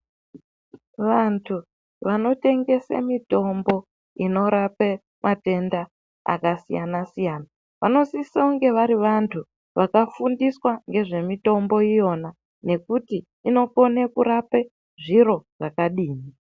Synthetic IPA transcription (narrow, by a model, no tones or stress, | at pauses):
ʋantʰu | ʋano̞te̞ŋɡe̞sḛmito̞mbo̞ | ino̞ɾape | mʔate̞nda | a̰kasijanasijaːna | ʋano̞sisauŋɡe̞ʋaɾiʋantʰu | ʋakafundiswaŋɡe̞ʐe̞mito̞mbo̞ijo̞na | ne̞kutiː | no̞ko̞nekuɾape | ʐiɾo̞ʐakaɗiːni